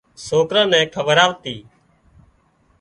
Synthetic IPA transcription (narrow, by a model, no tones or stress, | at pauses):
soːkɾãːnɛ̃ːkʰəʋəɾaːʋt̪iː